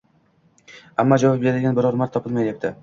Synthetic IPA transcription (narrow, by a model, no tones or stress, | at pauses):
amːɒd͡ʒavɒp̚eɾad̪ɪɡʲanbɪɾɒɾmaɾt̪ʰːɒpʰɨlˠmajjap̚t̪ʰɪ